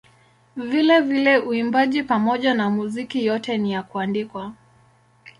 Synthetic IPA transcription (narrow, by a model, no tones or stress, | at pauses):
vilɛvilɛʔuimbaʄipamɔʄanamuzikijɔtɛnijakuandikwa